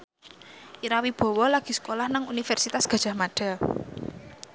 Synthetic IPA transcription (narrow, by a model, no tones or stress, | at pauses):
ʔiɾawib̥ɔ̤wɔlaɡ̥i̤sə̥kolahnaŋunifɛrsit̪asɡ̥a̤d̥ʒ̥a̤hmaɖ̥a̤